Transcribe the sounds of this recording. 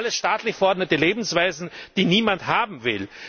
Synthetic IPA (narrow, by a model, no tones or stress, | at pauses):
ləsʃtaːtlɪçfɛɐʔɔɐdnətəleːbm̩sv̥aɪzn̩d̥iːniːmanthaːbm̩vɪ̰l